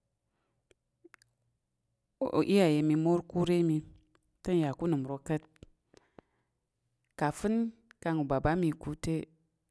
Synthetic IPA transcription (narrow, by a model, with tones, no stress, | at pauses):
ʔi˦ja˨je˧mi˧mo˦ɾku˦ɾe˦mi˧ | tə˦n˦ja˨ku˦nɨ˨m˨ɾo˧kə˦t̚ | ka˨fɨ˦nka˧ŋu˨ba˨ba˦mi˧ku˦te˦